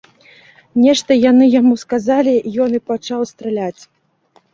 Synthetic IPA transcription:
nʲɛʂt̪ɐjanɨjamuskazalʲijɔnɨpat͡ʂawst̪ɾɛlʲat͡sʲ

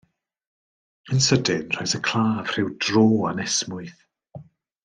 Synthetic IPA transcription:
ənsədɪnr̥ɔjsəkʰl̥ˠaːv̥r̥ɪwdroːanɛsmʊɨθ

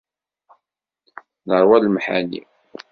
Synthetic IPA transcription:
nəɾˤwælmħa̰nḭ

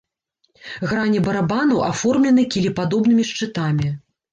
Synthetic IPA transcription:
ɣɾanʲibɐɾabanɐwʔafɔrmlʲɛnɨkʲilʲipad̪ɔbn̪ɨmʲiʂt͡ʂɨt̪amʲi

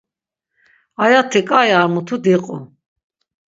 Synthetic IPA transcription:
ajat̪ʰɛkʼajaɾmut̪ʰud̪iqʼu

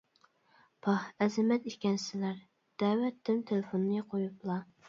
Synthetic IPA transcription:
pʰɑhɛzɪmɛt̪iʃkʲɛnsɪlæɾ | d̪̥ɛːwɛt̪ʰːynt̪ʰelɪfonːɨqʰojuplˠɑ

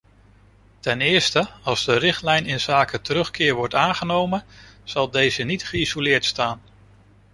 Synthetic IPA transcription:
tɛnɪːɹstəɑlˠzdərɪχtlɛjnɪnz̥aːkətəɾɵχkɪːɹʋɔɹtaːnχənowmənz̥ɑlˠdejzənitχəizolɪːɹtstaːn

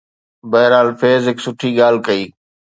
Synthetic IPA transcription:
bɐɦɪɾaːlfeːzɦɪksʊʈʰiːɠaːl̤kəiː

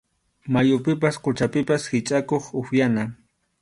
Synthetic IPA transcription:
majʊpɪp̬asqʊt͡ʃapɪpashɪt͡ʃʼakoχʊxjana

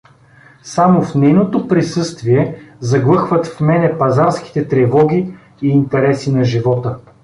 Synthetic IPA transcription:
samofnɛjnot̪opɾisɤst̪viɛzɐɡlˠɤxvət̪fmɛnɛpɐzaɾsk̟i̥t̪ɛt̪ɾɛvɔɡʲiː | nt̪ɛɾɛsinɐʒivɔt̪ə

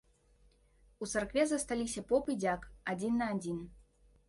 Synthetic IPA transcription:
ut̪sarkvʲɛzɐst̪alʲisʲɐpɔpid͡zʲakad͡zʲinːɐːd͡zʲin

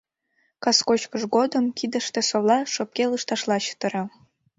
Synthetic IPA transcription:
kɑskot͡ɕkəʃɡod̪ə̆mkʲid̪ə̆ʃt̪ĕsoβlˠɑʃop̚kʲelˠɯʃt̪ɑʃlˠɑɕə̥t̪ə̆ɾɑ

